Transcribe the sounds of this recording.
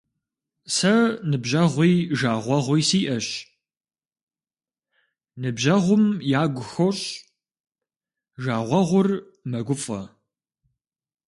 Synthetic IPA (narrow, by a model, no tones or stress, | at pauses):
sɐnɨbʑɐʁʷiːʒaːʁʷɐʁʷijsiːʔɐɕ | nɨbʑɐʁʷʊmjaːɡʷʊxoɕʼ | ʒaːʁʷɐʁʷʊr | mɐɡʷʊfʼɐ̰